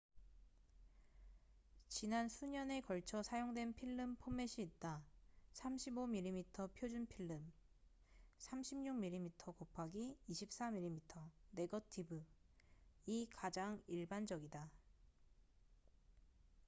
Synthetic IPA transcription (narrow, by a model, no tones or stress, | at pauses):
t͡ɕinansʰuɲʌne̞kʌɭt͡ɕʰʌsʰajoŋdwe̞npʰiɭːɯmpʰome̞ɕʰiːt̚t͈asʰamɕʰibomiʎːimitʰʌpʰjod͡ʑunpʰiɭːɯm | sʰamɕʰimɲuŋmiɭːimitʰʌkopʰaɡiːɕʰip̚s͈amiɭːimitʰʌne̞ɡʌtʰibɯ | ikad͡ʑaŋiɭband͡ʑʌɡida